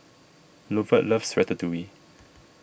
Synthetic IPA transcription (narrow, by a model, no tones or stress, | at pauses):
lovəʔləfsɹɛtətuwi